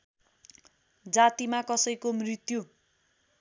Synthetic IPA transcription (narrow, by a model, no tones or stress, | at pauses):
d͡zat̪imakʌsʌjkomrit̪ju